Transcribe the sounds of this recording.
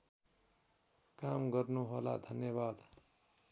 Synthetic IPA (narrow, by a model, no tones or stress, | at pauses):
kamɡʌɾnuɦola̰d̪ʱʌnjʌβad̪